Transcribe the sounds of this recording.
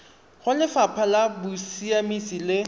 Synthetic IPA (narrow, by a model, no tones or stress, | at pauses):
χʊlɪfapʰalabʊsiamisilɪ